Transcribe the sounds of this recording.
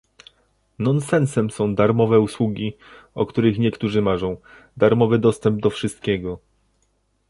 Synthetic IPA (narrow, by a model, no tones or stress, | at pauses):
nɔnsɛnsɛmsɔ̃w̃d̪aɾmɔvɛuswuɡʲi | ɔkt̪uɾɘxɲɛkt̪uʐɘmaʐɔ̃w̃ | d̪aɾmɔvɘd̪ɔst̪ɛmb̚d̪ɔfʂɘst̪̚kʲeɡɔ